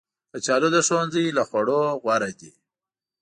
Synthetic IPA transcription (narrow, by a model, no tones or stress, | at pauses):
pət͡ʃɑlod̪əʂonzəjlaxwaɽoɣwaɾad̪i